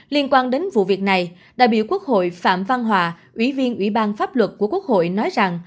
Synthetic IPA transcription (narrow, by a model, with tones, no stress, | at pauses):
li˧ənkwaː˧nɗe˨˦nvṵ˧˨vi˨˩ək̚na˨˩j | ɗa̰ː˧˩jɓḭ˧˨ku˦˥ək̚ho̰˧˨jfa̰ː˧˨mva˧nɦwaː˨˩ʔwi˧˩vi˧ənʔwi˧˩ɓaː˧nfaː˦˥p̚lwə˨˩t̚ku˧˩əkwu˦˥ək̚ho̰˧˨jnɔ˨˦jza˨˩ŋ